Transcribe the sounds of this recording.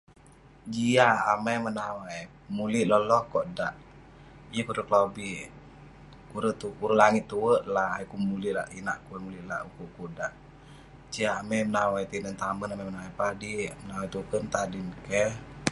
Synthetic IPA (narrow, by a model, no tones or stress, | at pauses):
d͡ʒiaːmɛjmənawaj | muliʔlɔlɔhkɔʔdaʔ | jəkuɾəklobiʔ | kuɾət̪ukuɾəlaŋit̪ːuwəʔlaajkumuliʔla̰ʔina̰ʔkuwəmuliʔla̰ʔukuʔkuʔdaʔ | d͡ʒiaːmɛjmənawajt̪inənt̪amənamamənawajpadimənawajt̪ukənt̪adinkɛ